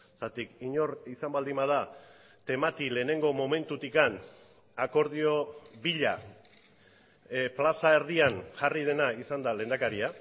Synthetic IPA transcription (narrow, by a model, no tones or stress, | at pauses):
sat̪ikiɲo̞risambald̪imað̞a | t̪e̞mat̪ile̞ːne̞ŋɡo̞mo̞me̞nt̪ut̪ikan | ako̞ɾð̞io̞βiʎa | plasaeɾðianʝarið̞e̞naisand̪ale̞nd̪akaɾia